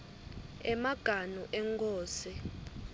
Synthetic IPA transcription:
ɛmaɡ̥ʱanuʔɛŋkʰʼoːsi

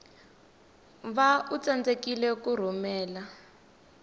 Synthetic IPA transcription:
βaut͡sand͡zekilɛkur̤umɛːla

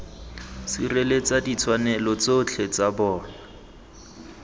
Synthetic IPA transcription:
sirelet͡sadit͡sʰwanɛlɔt͡sot͡ɬʰet͡sabɔːna

